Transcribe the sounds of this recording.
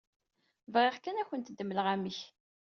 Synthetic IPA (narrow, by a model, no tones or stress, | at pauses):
vʁeʁkænæçənt̪d̪ːəmːəlʁæmiç